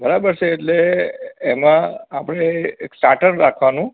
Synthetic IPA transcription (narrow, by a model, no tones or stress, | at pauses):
bəɾabəɾt͡ʃʰeːʈleː | mãːpəɽ̃eeksʈaʈəɾɾakʰʋanũ